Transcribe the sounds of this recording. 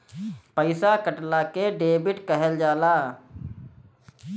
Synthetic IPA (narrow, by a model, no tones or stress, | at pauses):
pəɪsakəʈlakeɖeːbɪʈkəɦəld͡ʒaːlaː